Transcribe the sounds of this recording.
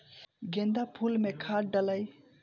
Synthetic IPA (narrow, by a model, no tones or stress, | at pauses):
ɡend̪apʰulmekʰaʈ̚ɖələj